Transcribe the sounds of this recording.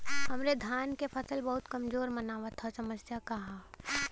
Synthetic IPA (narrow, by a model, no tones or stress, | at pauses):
ɦɐmɾed̪ʱaːnkepʰɐsəlbɐɦʊt̪kɐmzoːɾmɐnaːʋət̪ʰasɐməsjakɐɦaː